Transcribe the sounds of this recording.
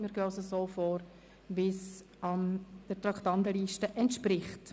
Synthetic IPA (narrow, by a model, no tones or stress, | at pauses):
mɪɾɡøːsəsoːfoːɾ | vɪs | ɑnd̥əɾtɾɑktɑntəliːʃtəʔɛntʃpɾɪχt